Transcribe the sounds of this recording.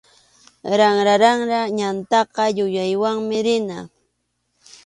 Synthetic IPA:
ɾaŋɾaɾaŋɾaɲant̪ɑqɑjʊjajwaŋmɪɾɪna

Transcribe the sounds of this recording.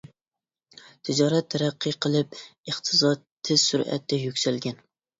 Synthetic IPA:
t̪ʰɪd͡ʒɑɾɛt̪ʰːæɾæqʰːɨqʰəlˠɪp̚ɨχt̪ʰɨ̥sɑd̪ʰɪsuɾæ̰t̪ʰːɛjykʲsælɡʲɛn

